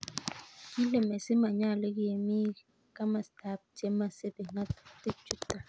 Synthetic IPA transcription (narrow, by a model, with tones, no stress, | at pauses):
ki˦le˨me˨se˦ma˨ɲa˦˨le˦ɡi˦e˨mi˦ | ka˦ma˨sta˨˦˨p̚te˦ma˦˨se˦be˨ŋa˦tte˦t͡ʃu˦tːa˨